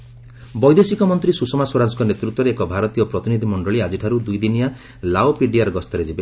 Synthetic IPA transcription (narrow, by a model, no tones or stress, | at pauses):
bɔjd̪esikɔmɔnt̪ɾisusɔmaswoɾad͡ʒɔkɔnet̪ɾut̪wɔɾeːkɔbʱaɾɔt̪ijɔpɾɔt̪inid̪ʱimɔɳɖɔɭiad͡ʒiʈʰaɾud̪ujd̪inija | laopiɖiaɾɔɡɔst̪ɔɾed͡ʒibe